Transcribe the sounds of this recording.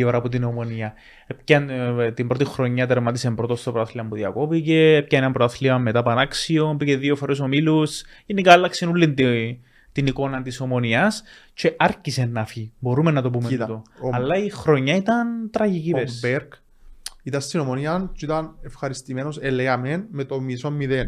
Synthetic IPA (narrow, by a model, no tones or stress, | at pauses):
oɾɐːpot̪̬ino̞mo̞niɐ | ep̚cɐnt̪imbɾo̞t̪ixɾo̞ɲːɐt̪eɾmɐt̪ise̞mbɾo̞t̪ost̪opɾoɐθliɐmpuðiɐko̞pice̞ep̚cɐnit̪ɐmpɾoɐθliɐmːe̞t̪ɐpɐnɐksio̞mpiceðio̞foɾeso̞milusinːikɐlːɐksenulːint̪ | t̪iniko̞nɐt̪iso̞mo̞niɐst͡ʃe̞ʔɐɾcise̞nːɐfibo̞ɾumenːɐt̪o̞p̬umet̪oɐlːɐixɾoɲːɐit̪ɐnt̪ɾɐʝicipeɾssbeɾk | it̪ɐst̪inomoniɐnt͡ʃit̪ɐnefxɐɾist̪imeno̞seleɐmenmet̪omisomːiðen